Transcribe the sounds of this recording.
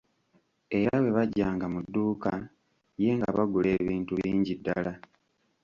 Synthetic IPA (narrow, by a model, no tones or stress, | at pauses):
e̞ɾawe̞βaɟːaːŋɡamudːuːka | je̞ŋɡaβaɡule̞ːβiːntuβiːɲɟidːa̰la